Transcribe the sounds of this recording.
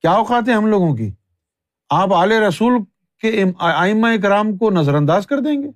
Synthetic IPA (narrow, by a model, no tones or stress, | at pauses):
kjaːoxaːt̪ɦẽɦɐmloːɡõkḭː | aːpaːleɾɐsuːl | keaːɪmːaek̬ɪɾaːmkonɐzəɾɐ̃nd̪aːzkɐɾd̪ẽːŋɡeː